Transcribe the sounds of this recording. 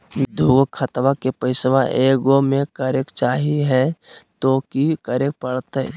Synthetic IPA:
d̪ʱuːɡkʰət̪ʋakepəɪsʋaʔeːɡomẽkəɾekt͡ʃaːɦiɦɛ̃t̪okikəɾek̚pəɽt̪ɛ̰

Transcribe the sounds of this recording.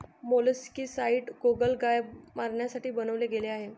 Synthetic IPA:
moləskiːsaiːʈɡoɡəlɡajmaɾɳjasaʈiːbənəʋleɡeleaɦe

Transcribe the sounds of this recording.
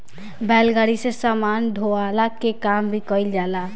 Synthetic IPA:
bɛlɡaɾisesamand̪ʱoalakekambʱikəjld͡ʒala

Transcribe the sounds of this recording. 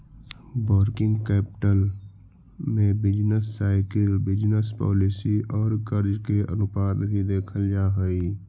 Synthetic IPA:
bəɾkɪ̃ŋɡkɛːpɪ̥ʈəl | mẽbɪd͡ʒnəsːaːɪkəlbɪd͡ʒnəspɔ̰ːlɪsiʔɔːɾkəɾd͡ʒkeə̰nʊpaːd̪bʱid̪eːkʰəld͡ʒaːɦəi

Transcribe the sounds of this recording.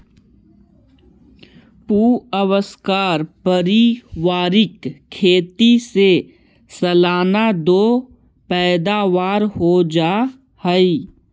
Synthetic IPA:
puːəwəskaːɾpəɾiʋaːɾɪkʰːeːt̪ise | sɐlaːnad̪oː | pɛːd̪aːʋaːɾhod͡ʒaː | həi

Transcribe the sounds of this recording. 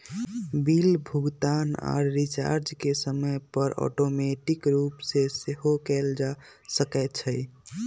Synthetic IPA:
bilbʱuɡt̪ana̰ɾːit͡ʃa̰ɾd͡ʒkesəməjpəɾɔ̰ʈomeʈikɾupseseɦokɛld͡ʒa | səkɛt̪t͡ʃʰə

